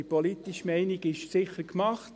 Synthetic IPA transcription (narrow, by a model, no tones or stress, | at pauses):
ipɔlit̪iʃmɛɪniɡɪʃsɪχəɾkmɑχt